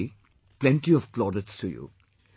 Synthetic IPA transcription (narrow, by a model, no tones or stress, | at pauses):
i | plɛ̃ntiɔv̥klɔɾətstʰujṵ